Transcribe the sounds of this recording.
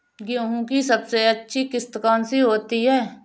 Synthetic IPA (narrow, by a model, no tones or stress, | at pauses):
ɡjõːɦũkisɐbseətːʃʰikɪst̪kaːnsiɦoːt̪iɦɛː